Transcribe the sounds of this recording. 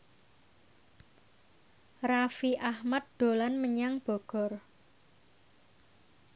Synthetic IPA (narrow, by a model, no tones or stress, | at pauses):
rafiʔahmat̪̚d̪̥o̤lanməɲaŋb̥ɔ̤ɡ̥ɔ̤r